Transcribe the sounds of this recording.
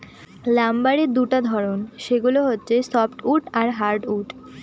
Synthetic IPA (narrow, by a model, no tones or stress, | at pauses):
lambaɾed̪uʈad̪ʱɔɾonʃeɡuloɦotːɕʰesɔfʈuʈaɾɦaɾɖuʈ